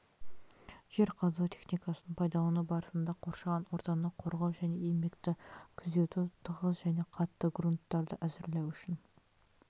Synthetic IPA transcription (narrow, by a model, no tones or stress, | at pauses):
ʒ̥e̞ɾqʰɑzuot̪ʰe̞xnijkɑsənəɴpʰɑjd̪ɑlˠənəbɑɾəsənd̪ɑqʰo̞ɾʃɑʁɑnwo̞ɾt̪ɑnəqʰo̞ɾʁɑwʒæne̞eme̞kt̪ɪkʲʰʏzd̪e̞t̪ut̪ʰəʁəzʒæne̞qʰɑt̪ːəɡrunt̪ːɑɾd̪əʔæzɪɾlewʏʃɪn